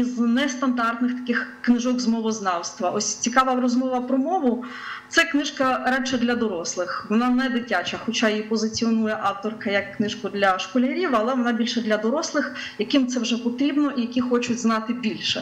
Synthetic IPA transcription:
iznɛst̪ɐnd̪ɑrt̪nɪxt̪ɐ̥kɪxknɪʒɔɡzmɔʋɔznɑwst̪ʋɐʔɔsʲt͡sʲikɑʋɐɾɔzmɔʋɐpɾɔmɔʋʊ | t̪sɛknɪʃkɐɾɛt͡ʃɐd̪lʲɐd̪ɔɾɔslˠɪxʋɔnɑnɛd̪ɪtʲat͡ʃɐxɔt͡ʃɑjipɔzɪt͡sʲiɔnujɛʔɑwt̪ɔrkɐjɐkːnɪʃkʊd̪lʲɐʃkɔlʲɐɾʲiʋɐlˠɛʋɔnɑbʲilʲʃɛd̪lʲɐd̪ɔɾɔslˠɪxjɐkɪmt̪sɛwʒɛpɔt̪ɾʲibnɔʔijɐkʲixɔt͡ʃʊtʲznɑt̪ɪbʲilʲʃɛ

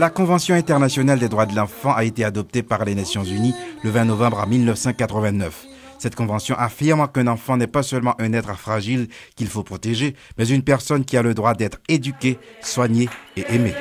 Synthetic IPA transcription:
lakɔ̃vɑ̃sjɔ̃ɛ̃t̪ɛʁnasjɔnald̪ed̪ʁwad̪əlɑ̃fɑ̃ʔaet̪ead̪ɔp̚t̪epaʁlenasjɔ̃zyniləvɛ̃nɔvɑ̃bʁa̰milnəfsɑ̃kat̪χəvɛ̃nœf | sɛt̪kɔ̃vɑ̃sjɔ̃ʔafiʁmɑ̃kɛ̃nɑ̃fɑ̃nɛpasœlmɑ̃ʔɛ̃nɛt̪χəfχaʒilkʲilfopχɔt̪eʒemɛzynpɛʁsɔnkʲialəd̪ʁwad̪ɛt̪χed̪ykʲeswaɲeːʔɛme

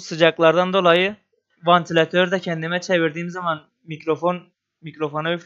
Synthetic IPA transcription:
sɯd͡ʒɑklˠɑɾd̪ɑnd̪o̞lˠɑjɯ | vant̪ʰilʲat̪ʰøɾd̪æcʰɛnd̪imɛt͡ʃʰeviɾd̪iːmzɑmɑn | micɾofon | micɾo̞fonɑyf

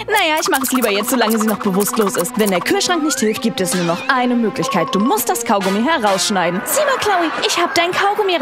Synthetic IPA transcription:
najaːɪçmaχəɛsliːbɐjɛt͡stz̥olaŋəziːnɔχb̥əvʊstloːsɪstvɛndeːɐkʰyːɐʃʁ̥aŋknɪçthɪlft̚ɡ̥iːp̚tɛsnuːɐnɔχʔaɪnəmøːklɪçkʰaɪt̚d̥uːmʊstd̥askʰaʊɡomiɦɛʁaʊsʃnaɪdn̩z̥iːmakʰl̥aʊiʔɪçhaːbədaɪnkʰaʊɡomiː

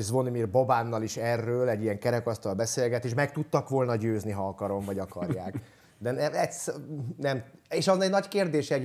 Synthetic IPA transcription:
zʋonimirbo̞baːnːɒliʃɛrːøːlɛɟːijɛŋkɛɾɛkɒst̪ɒlbɛseːlɡɛt̪eːʃmɛk̚t̪ut̪ːɒkʋo̞lnɒɟøːzniɦɒɒkɒɾo̞ɱvɒɟɒkɒrjaːk | d̪ɛnɛɛt̪snɛmeʃɒzɛɟnɒckeːrd̪eːʃɛ

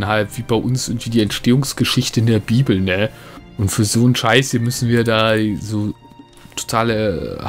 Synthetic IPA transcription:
nɦalpv̥iːbaɪʔʊnsʔɪŋtv̥iːdiːɛntʃteːʊŋsɡ̥əʃɪçtəɪndeːɐbiːbl̩nəʔʊntfyːɐzoːnʃaɪshiːɐmʏsn̩viːɐdaːzoː | tʰo̥tʰaːl

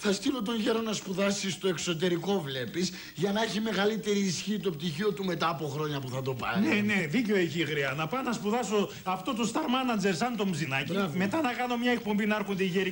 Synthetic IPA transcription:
θɐst̪ilot̪o̞nʝeɾonɐspuðɐsist̪o̞ekso̞t̪̬e̞ɾiko̞vle̞pis | ʝɐnɐeçime̞ɣɐlit̪e̞ɾiːsçiːt̪o̞p̚t̪içiot̪ume̞t̪ɐːpo̞xɾo̞ɲɐpuθɐt̪o̞pɐ̰eneðiceoeçiɣɾiɐnɐpɐnɐspuðɐso̞ | ɐft̪o̞t̪o̞st̪ɐɾmɐnɐd͡ʒe̞ɾsɐnt̪o̞mzinɐcime̞t̪ɐnɐkɐno̞mɲɐek̚po̞mbinɐɐɾxund̪eiʝeɾi

